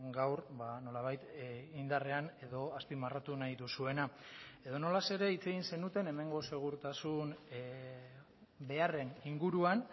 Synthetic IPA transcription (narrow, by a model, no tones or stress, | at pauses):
ɡawɾbano̞laβ̞ajt̪ind̪are̞ane̞ðo̞aspimarat̪unajðusue̞nae̞ðo̞no̞lase̞ɾe̞it͡se̞ɣinse̞nut̪e̞ne̞me̞ŋɡo̞se̞ɣ̞uɾt̪asun | be̞are̞niŋɡuɾuan